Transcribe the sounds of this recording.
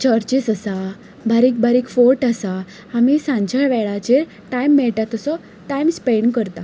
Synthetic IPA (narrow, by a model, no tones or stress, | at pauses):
t͡ɕəɾt͡ɕisəsa | bʱaɾik̚baɾiːkfoɾʈasa | amisãɲt͡ɕaɭʋɛɭat͡ɕeɾ | ʈajmːɛɭʈat̪əsɔ | ʈajmspeɳkəɾt̪a